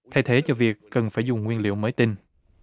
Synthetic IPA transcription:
t̪ʰa˧jt̪ʰe˨˦t͡ɕɔ˧vi˨˩əkːə˨˩nfaː˧˩jzʊ˨˩ŋ͡mŋwi˧ənlḭ˧˨əwməː˨˦jt̪i˧n

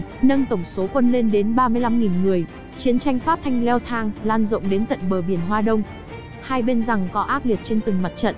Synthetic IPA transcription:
nə˧ŋt̪ə˧˩wŋ͡mso˨˦kwə˧nle˧nɗe˨˦nɓaː˧mɨ˧jla˧mŋi˨˩nŋɨ˨˩əj | t͡ɕi˨˦ənt͡ɕa˧jŋ̟fa˦˥p̚t̪ʰa˧jŋ̟lɛ˧wt̪ʰaː˧ŋlaː˧nzə̰˧˨wŋ͡mɗe˨˦nt̪ə̰˧˨nɓəː˧˩ɓi˧˩ənɦwaː˧ɗə˧wŋ͡m | haː˧jɓe˧nza˨˩ŋkɔ˨˦ʔaː˦˥t̚li˨˩ət̚t͡ɕe˧nt̪ɨ˨˩ŋma˨˩t̚t͡ɕə̰˧˨n

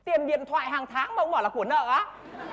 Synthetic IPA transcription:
t̪i˨˩ənɗḭ˧˨ənt̪ʰwa̰ː˧˨jɦaː˨˩ŋt̪ʰaː˨˦ŋma˨ʔə˧˦ŋ͡mɔ˧˩lːku˧˩nə̰ː˧˨ʔaː˨˦

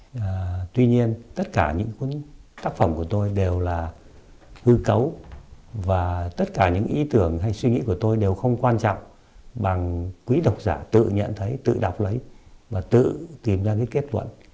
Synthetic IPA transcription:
ʔəː˨˩t̪wi˧ɲi˧ənt̪ə˦˥t̚kaː˧˩ɲɨ̰˧˥ŋku˨˦ənt̪aː˦˥k̚fə˧˩mku˧˩ət̪o˧jɗe˨˩wlaː˨˩ | hɨ˧kə˨˦w | vaː˨˩t̪ə˦˥t̚kaː˧˩ɲɨ̰˧˥ŋʔi˨˦t̪ɨ˧˩əŋɦa˧jswi˧ŋḭ˧˥ku˧˩ət̪o˧jɗe˨˩wxə˧wŋ͡mkwaː˧nt͡ɕɔ̰˧˨wŋ͡m | ɓa˨˩ŋkwi˨˦ɗə˨˩wk͡p̚zaː˧˩t̪ɨ̰˧˨ɲə̰˧˨nt̪ʰə˨˦jt̪ɨ̰˧˨ɗa˨˩wk͡p̚lə˨˦jvaː˨˩t̪ɨ̰˧˨t̪i˨˩mzaː˧kaː˨˦jke˦˥t̚lwə̰˧˨n

